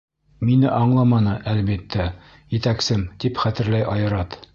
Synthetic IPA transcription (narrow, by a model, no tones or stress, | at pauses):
minɘʔɑɴlˠɑmɑnɤʔælbit̪ːæ | jɘ̆t̪æksɘmt̪ipχæt̪ɘ̆ɾlæjʔɑjɤ̆ɾɑt̪